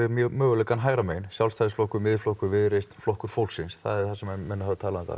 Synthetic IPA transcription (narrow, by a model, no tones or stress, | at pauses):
ɪmœːɣʏlɛkanɦaːjɾamejnsjawlst̪ajðsflowhkʏmɪðflohkʏɾvɪðɾest̪nflɔhkʏɾ̥fowl̥ksɪnsθa̰ðɛɾ̥θasɛmamɛnʏhavɪt̪ʰaːlaɪnθa̰